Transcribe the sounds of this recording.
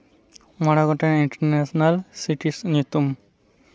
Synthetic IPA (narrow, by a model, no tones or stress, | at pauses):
mɔɽaɡɔʈaiɳʈɐɾnesɔnalsiʈisnut̪um